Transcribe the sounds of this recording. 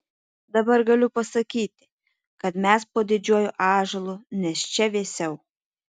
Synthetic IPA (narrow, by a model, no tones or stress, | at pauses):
d̪ɐbɐɾɡɐlʲʊpɐsɐkʲiːt̪ʲɪ̥ | kɐt̪mʲɛspoːd̪ʲɪd͡ʒʲuɔjoʔɑːʒɐlˠunʲɛst͡ʃʲɛʋʲeːsʲɛʊ